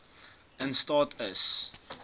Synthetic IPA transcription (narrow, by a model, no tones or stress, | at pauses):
æ̃nstɑːtʰəs